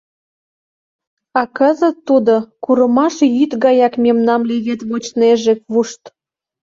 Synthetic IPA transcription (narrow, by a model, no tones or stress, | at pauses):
ɑkəzə̆t̪ːud̪okuɾəmɑʃjyt̪ɣɑjɑkmʲemnɑmleβet̪βot͡ɕneʒĕkβuʃt̪